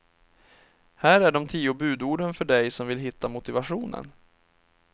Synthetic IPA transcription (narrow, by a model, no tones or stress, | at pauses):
hæːɾæɖɔmt̪ʰiːʊbʉ̟ːd̪uːɖənfœɖɛjsɔmvɪlɦɪt̪ːamʊt̪ɪvaɧuːnə̰n